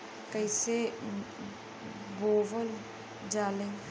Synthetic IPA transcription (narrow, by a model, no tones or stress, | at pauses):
kəise | boːʋəl | d͡ʒaːlẽ